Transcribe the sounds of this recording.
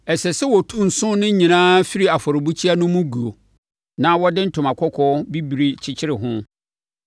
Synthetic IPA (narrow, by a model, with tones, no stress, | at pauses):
ɛ˨sɛ˨sɛ˦wɔ˨tʰu˦n̩˨sʊ̃˦nɪ̃˦ɲĩ˨nãː˦fi˦ɾi˦a˨fɔ˨ɾɪ˨bu˦t͡ɕʰi˦a˦nʊ̃˦mʊ̃˦ɡu˨o˨ | nã˦wɔ˦dɪ̃˦n̩˦tʰʊ̃˨ma˨kʰɔ˦kʰɔ˦bi˦bi˨ɾi˨t͡ɕʰɪ˦t͡ɕʰɪ˦ɾɪ˨ɦʊ̃˦